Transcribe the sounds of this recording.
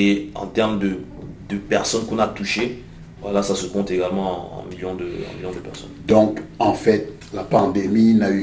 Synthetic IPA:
eɑ̰̃t̪ɛʁmd̪ə | d̪əpɛʁsɔnkɔ̃nat̪uʃe | va̰lasasəkɔ̃t̪eɡalmɑ̰̃miljɔ̃d̪əɛ̰̃miljɔ̃d̪əpɛʁsɔ̰nd̪ɔ̃kɑ̃fɛt̪̚ | lapɑ̃d̪eminay

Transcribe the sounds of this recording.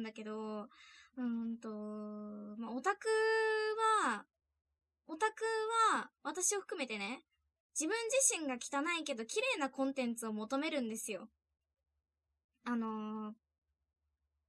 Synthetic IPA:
nd̪ake̞d̪o̞ | ɯ̟̃nt̪o̞ | mao̞t̪akɯ̟βa | o̞t̪akɯ̟βaβat̪aɕio̞ɸɯ̟kɯ̟me̞t̪e̞ne̞ | d͡ʑibɯ̟̃ɲ̟d͡ʑiɕĩŋɡakʲi̥t̪anaike̞d̪o̞kʲiɾe̞ːnakõ̞nt̪ẽ̞nt͡sɨo̞mo̞t̪o̞me̞ɾɯ̟̃nd̪e̞sɨjo̞ | ano̞

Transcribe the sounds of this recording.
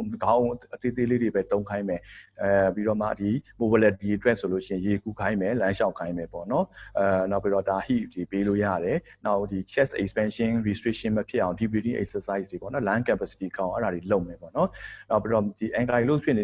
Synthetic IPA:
ɡãʔət̪et̪eledebɛt̪õʊ̃kʰãɪ̃mɛ | piɾɔmä̰dimobalɛtːiʔətwɛʔsolo̰ʃɪ̃ɪ̃jekukʰãɪ̃mɛlãʃaʊ̃kʰãɪ̃mɛpɔ̰nɔnaʊpːiɾɔdahḭdepelo̰jä̰ɾɛnaʊʔd̥it͡ɕʰɛsʔɛ̰kspɛ̃nʃɪ̃nɹistɹiʔʃɪ̃nməpʰjɪʔãʊ̃ndibɹidɪ̰̃ŋʔɛ̰k̚səsaɪsdepɔ̰nɔlãkɛ̃pasi̥tiʔəkʰã̰ʔɛɾadeloʊʔmɛpɔ̰nɔnaʊpːiɾɔdiʔɛ̃ŋkalospʰjɪ̃n

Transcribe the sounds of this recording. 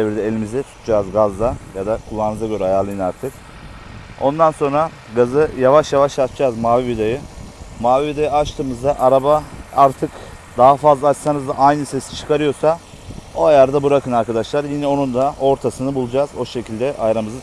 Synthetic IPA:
eviɾd̪ɛelʲimizd̪ɛt̪ʰu̥t̪ʰud͡ʒaːzɡazd̪ajad̪akʰulˠːannmɯzaɡø̞ɾɛajaːlˠɯjɯnaɾt̪ʰɯk | o̞nd̪anso̞nɾa | ɡazɯjavaʃjavaʃat͡ʃd͡ʒaːzmaːvivid̪ajɯmaːvivid̪ajɯat͡ʃt̪ʰɯːmɯzd̪aʔaɾabaaɾt̪ʰɯk | d̪aɦafazlˠaːt͡ʃsanɯzd̪aʔajnɯse̞si̥t͡ʃʰɯ̥kʰaɾɯjo̞ɾsa | o̞ajaɾd̪abuɾakʰɯnaɾkad̪aʃlˠaɾjinɛo̞nund̪ao̞ɾt̪ʰasɯnɯbulˠud͡ʒazo̞ʃe̞cʰilʲd̪ɛʔajɾamɯzɯ

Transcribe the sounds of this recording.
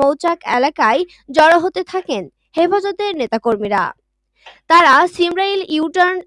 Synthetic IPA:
owt͡ɕakɛ̰lakae | d͡ʑɔɾoɦot̪et̪ʰaken | hefad͡ʑot̪eɾnet̪akoɾmiɾa̰ | t̪aɾaʃimɾailiwʈan

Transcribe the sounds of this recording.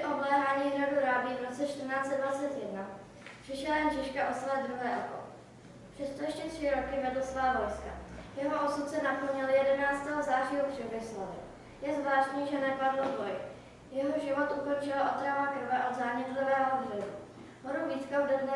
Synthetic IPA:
ʔoblɛːɦaːɲiːraduɾabiːvɾo̞t͡sɛt͡ʃt̪r̩naːt͡sɛddvat͡sɛt̪jɛdna | pr̥ɪʃɛlajɛnʒɪʃkaʔoslɛːd̪ɾuɦɛːʔoko̰ | pr̥ɛt̪t̪ojɛʃcɛt̪r̝̥ɪɾo̞kɪvɛdlasvaːvo̞jska̰jɛɦoʔosut̪sɛnapl̩ɲɪljɛdɛnaːt͡st̪ɛːɦozaːriːopr̥ɛbɪslovɪ̰ | jɛzvlaːʃt̪ɲiːʒɛnɛpadlot̪oj | jɛɦoʒɪvo̞t̪ʔuko̞nt͡ʃɪlaʔot̪ɾavakr̩vɛʔod̪zaːɲɛt̪livɛːɦooɦrɛzu | ɦoɾuviːt̪kavdɛdnɛ

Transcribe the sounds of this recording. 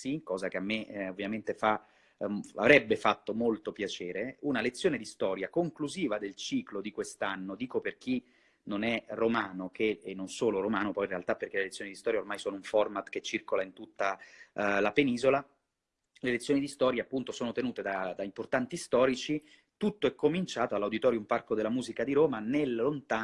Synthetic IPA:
sikɔːzakeamːeovːjament̪efa | a̰vɾɛbːefat̪ːomolt̪opjat͡ʃeːɾeunalet̪sːjoːned̪ist̪ɔːɾjakoŋkluziːvad̪elt͡ʃiːklod̪ikwest̪anːod̪iːkoperk̟i | nonɛromaːnokʰeːnːonsoːloɾomaːnopɔjinrealt̪apːerk̟elelet̪sːjonid̪ist̪ɔːɾjaormajsoːnouɱfɔrmat̪ket͡ʃːirkolaint̪ut̪ːa | lapeniːzola | lelet̪sjoːnid̪ist̪ɔːɾjaːpːunt̪osoːnot̪enuːt̪ed̪ad̪aimport̪ant̪ist̪ɔːɾit͡ʃi | t̪ut̪ːoɛkːomint͡ʃaːt̪oalːawd̪it̪ɔːɾjoumparkod̪elːamuːzikad̪iɾoːmanellont̪aː

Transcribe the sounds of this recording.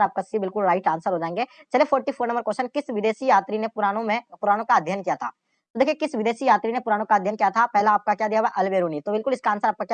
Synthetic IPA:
ɾaːp̚kasibɪlkʊlɾaːɪʈãːnsəɾɦod͡ʒaẽːŋɡeːt͡ʃɐliepʰɔːɾʈipʰoːɾnɐ̃mbəɾkɔːʃənkɪsʋɪd̪eːʃijaːt̪ɾinepʊɾaːnõmẽpʊɾaːnõkaɐd̪ʱjənkijat̪ʰa̰ː | t̪od̪eːkʰijekɪsʋɪd̪eːʃijaːt̪ɾinepʊɾaːñõkaɐd̪ʱjənkijat̪ʰapɛɦlaːp̚kakjad̪ijaʋɛʔɐlʋeːɾuːnit̪obɪlkʊlɪskaːnsəɾaːpkakja

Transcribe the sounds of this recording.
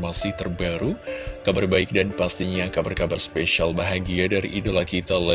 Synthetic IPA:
masɪht̪ərbaɾukabarbaɪk̚danpast̪iɲakabarkabarspeʃialbaɦaɡiadaɾḭʔːdalahkit̪ala

